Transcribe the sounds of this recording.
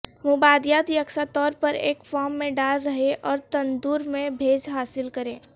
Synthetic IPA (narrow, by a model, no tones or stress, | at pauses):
mʊbaːd̪jaːt̪jəksat̪ɔːɾpəɾḛːkfɔːɾmːẽɖaːlɾɐɦeʔɔːɾt̪ɐ̃nd̪uːɾmẽbʱeːd͡ʒɦaːsɪlkəɾẽː